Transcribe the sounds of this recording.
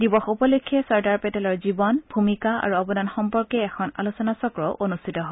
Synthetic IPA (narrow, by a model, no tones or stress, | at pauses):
dibɔxupɔlokʰːɛsɔɹdaɹpɛtɛlɔɹzibɔnbʱumikaa̰ɹuɔbɔdanxɔmpɔɹkɛːkʰɔna̰lusɔnasɔkɹɔʊʔonustʰitɔɦɔ